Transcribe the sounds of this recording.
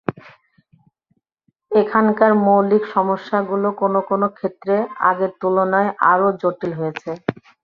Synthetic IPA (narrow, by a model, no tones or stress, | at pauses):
ekʰankaɾmowlikʃɔmoʃːaɡulokonokonokʰet̪ːɾea̰ɡeɾt̪ulonɔeʔa̰ɾod͡ʑoʈilɦojet͡ɕʰe